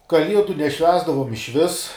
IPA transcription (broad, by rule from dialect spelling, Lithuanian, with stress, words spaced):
kɐˈlʲiɛdʊ nʲɛˈʃʲʋʲæːzdɐʋoːm ɪʃʲˈʋʲɪs